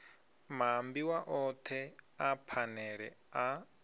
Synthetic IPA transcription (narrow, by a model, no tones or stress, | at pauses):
m̤ambiwaʔɔt̪ʰɛapʰanɛɺɛa